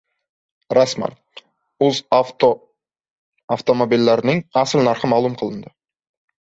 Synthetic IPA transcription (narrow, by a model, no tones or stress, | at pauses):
ɾɑsmɑ̰n | uz | aft̪o̞mobʲilːæɾɪnɪŋɑsɪlnɑɾqəmɑːlˠumqʰəlˠə̆nd̪ə